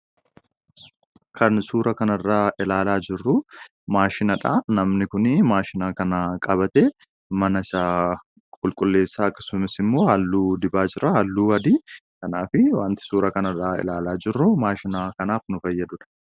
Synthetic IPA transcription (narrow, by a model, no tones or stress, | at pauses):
kʰɐnsuːɾɐkɐnɐrːaːʔɪlaːlaːd͡ʒɪrːʊ | maːʃɪnɐᶑanɐmnɪkʊnɪmaːʃɪnaːkɐnɐkʼɐbɐt̪eː | mɐnɐɪsaː | kʼʊlkʼʊlːe̞ːsːaːɐkːɐ̥sʊmɪsɪmːo̞ːhɐlːuːd̪ɪbaːd͡ʒɪɾʔɐhɐlːuːwɐd̪ikɐnaːfɪwaːnt̪ɪ̥suːɾɐkɐnɐrːaːɪ̰laːlaːd͡ʒɪrːʊmaːʃɪnakɐnaːfnʊfɐjːɐd̪ʊᶑɐ̥